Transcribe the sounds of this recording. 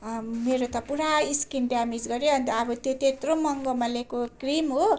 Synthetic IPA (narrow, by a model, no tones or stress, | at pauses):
meɾot̪ʌpuɾaiskinɖjamid͡zɡʌɾjoɦʌnt̪ʌːbʌt̪jot̪et̪rõmʌŋɡomalekokrimɦo